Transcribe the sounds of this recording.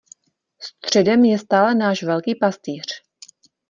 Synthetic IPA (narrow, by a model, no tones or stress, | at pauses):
st̪r̝̥ɛdɛmjɛst̪aːlɛnaːʃvɛlkiːpast̪iːr̝̥